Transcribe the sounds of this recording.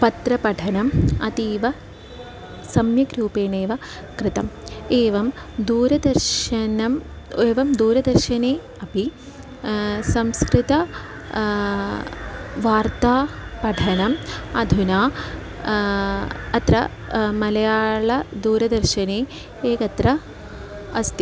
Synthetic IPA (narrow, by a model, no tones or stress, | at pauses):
pɐt̪ɾɐpɐʈʰɐnɐmɐ̰t̪iːʋɐ | sɐmjɐkɾuːpeːɳeːʋɐ | kɾɪt̪ɐmeːʋɐm | d̪uːɾɐd̪ɐɾʃɐnɐm | eːʋɐmd̪uːɾɐd̪ɐɾʃɐneː | ɐpi | sɐmskɾɪt̪ɐ | ʋaːɾt̪aːpɐɖʱʰɐnɐmɐd̪ʱunaː | ɐt̪ɾɐ̰ | mɐlɐjaːɭɐd̪uːɾɐd̪ɐɾʃɐneː | eːkɐt̪ɾɐ | ɐst̪i